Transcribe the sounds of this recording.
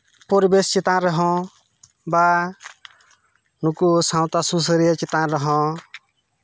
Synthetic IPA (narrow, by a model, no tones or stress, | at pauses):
poɾibest͡ʃit̪ãɾəɦɔ̃ | ba | nukusãw̃t̪asus̬əɾijət͡ʃit̪ãɾəɦɔ̃